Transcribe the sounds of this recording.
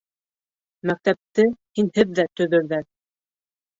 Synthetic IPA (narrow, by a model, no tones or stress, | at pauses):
mæk̚t̪æp̚t̪ɘhinhɘðːæt̪ɵ̆ðɵ̆ɾðæɾ